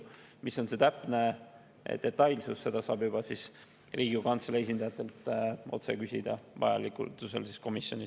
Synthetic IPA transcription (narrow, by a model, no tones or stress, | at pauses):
miso̞nse̞t̪æpˑne̞̰ | d̪̥e̞t̪ːˑɑjlsusːe̞d̪ɑsɑːbjubɑsis | rʔiːɡikɑnt̪selees̬ʲind̪̥ɑjɑt̪ːˑe̞lt̪ˑo̞̰t̪se̞kysʲid̪̥ɑvɑ̰jɑ̰likṵt̪use̞lsisko̞misjo̞̰nʲis